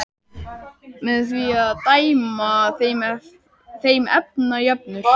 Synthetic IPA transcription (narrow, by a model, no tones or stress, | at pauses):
mɛðsviat̪ajmaθm | θejmɛ̰p̚najœp̚nʏ